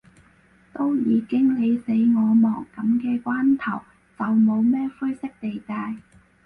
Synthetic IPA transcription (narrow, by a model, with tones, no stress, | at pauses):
t̪o˥wjiː˨˧kɪ˥ŋle˨˧jse˨˥jŋɔː˨˧mɔː˨˩ŋkɐ˨˥mkɛː˧kʷwaː˥nt̪ʰɐ˨˩w | t͡sɐ˨wmo˨˧wmɛː˥fu˥jsɪ˥k̚t̪e˨jt̪aː˨˧j